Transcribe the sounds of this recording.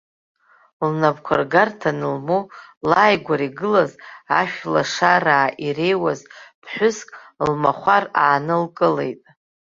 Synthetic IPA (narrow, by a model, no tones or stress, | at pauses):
lnabkʷʰarɡartʰanɨlmolajɡʷaɾiɡɨlazaʃᶣla̰ʂaɾaːʔire̞jwazb̥ʰħʷᶣʊskʼlmaχʷaraːnɨlkʼɨle̞̰jtʼ